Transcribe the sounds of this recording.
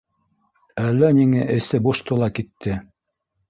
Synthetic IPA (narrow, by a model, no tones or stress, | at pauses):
ælːæniŋæʔɘ̆sɘbuʃt̪ulˠɑkit̪ːɘ